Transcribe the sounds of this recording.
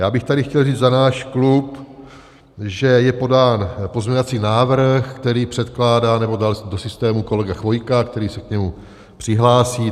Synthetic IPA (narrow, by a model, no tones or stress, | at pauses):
jaːbɪxt̪adɪxcɛlriːd͡zzanaːʃklup | ʒɛjɛpo̞daːnpo̞zmɲɛɲovat͡siːnaːvr̩xkt̪ɛɾiːpr̥ɛt̪klaːdaːnɛbo̞daldosɪst̪ɛːmuko̞lɛɡaxvo̞jkakt̪ɛɾiːsɛkɲɛmu | pr̥ɪɦlaːsiː